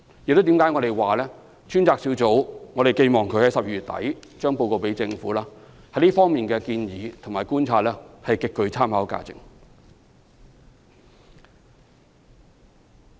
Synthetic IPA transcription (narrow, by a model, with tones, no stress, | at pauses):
jɪ˨k̚t̪t̪iː˨˥mkaː˨˥jŋɔː˨˧ɾe˨jwaː˨lɛː˥ | t͡ʃʰyː˥nt͡saː˧k̚si˨˥t͡so˨˥wŋɔː˨˧ɾe˨˩jke˧jmɔː˨˩ŋkʰɵ˨˥hɐ˨˥jsɐ˨p̚i˧˩y˨t̪ɐ̰˨˥jt͡ʃœː˥ŋpo˧wko˧wpe˨˥jt͡sɪ˧ŋfuː˨˥laː˥ | hɐ˨˥jliː˥fɔː˥ŋmiː˨˩nkɛː˧kiː˧njiː˨˥t̪ʰʊ˨˩maː˨˩jkuː˥nt͡sʰaː˧t̚lɛː˥hɐ˨jkɪ˨˧kːɵ˨˧ɥt͡sʰaː˥mhaː˨˥wka̰ː˧t͡sɪ̰˨ŋ